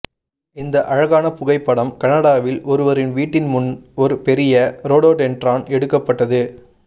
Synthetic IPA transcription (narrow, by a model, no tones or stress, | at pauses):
ɪnd̪ɐʔɐɻɐɣaːnɐpʊɣɐɪpːɐɽɐmkɐnɐɽaːʋɪlʔɔɾɯʋɐɾɪnʋiːʈːɪnmʊnɔɾɯpɛɾɪjɐɾoːɽoːʈɛnɖraːnɛɽɯkːɐpːɐʈːɐðɯ